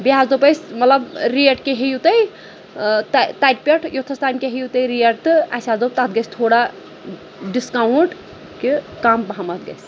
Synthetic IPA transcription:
biɦazd̪opəjsmɐt̪ləbɾieʈkeɦejut̪əj | t̪t̪ajʈ̚peʈʰjot̪ʰɐst̪ajmkeɦejut̪əjɾijeʈt̪ɨa̰sazd̪op̚t̪at̪̚ɡɐst̪ʰoɽa | ɖiskawuɳʈ | ke | kambɐɦamɐt̪̚ɡə̰js

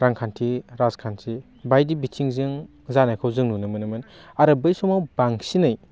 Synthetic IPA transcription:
ɾaŋkʰantʰiɾazkʰantʰi | bajdibitʰiŋzɯŋ | zanajkʰawzɯŋnunɯmɯnɯmɯnaɾɯbɯjsɔmawbaŋsinɯj

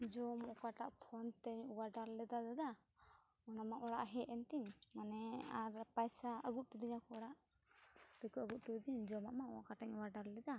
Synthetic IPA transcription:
d͡ʒɔmɔkaʈaʔpʰɔnt̪ɛɲwaɖaɾlɛd̪ad̪ad̪a | ɔnamaʔɔɽaʔɦɛɛnt̪iɲmanɛaɾpajsaəɡut̪̚ˀʈud̪iɲakɔɔɽaʔ | ɾɛkuəɡut̪̚ˀʈud̪iɲd͡ʒɔmaʔmaʔɔkaʈaɲwaɖaɾlɛd̪a

